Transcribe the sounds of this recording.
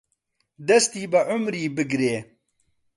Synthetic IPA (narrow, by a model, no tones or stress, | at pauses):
d̪ɐst̪iːbɐʕʊmɾiːbɪɡɾeː